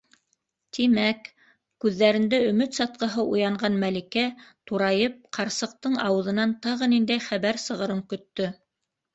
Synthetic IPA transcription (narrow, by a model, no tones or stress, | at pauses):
t̪imæk | kːʉðːæɾɘ̆nd̪æɵ̆mɵt̪sɑt̪̚qɤ̆ɦɤʔujɑɴɢɑnmælikæt̪uɾɑjɤp̚qʰɑɾsɤ̆q̚t̪ɤɴɑwɤ̆ðɤ̆nɑnt̪ɑʁɤnind̪æjχæβæɾsɤ̆ʁɤ̆ɾɤŋkɵ̆t̪ːɵ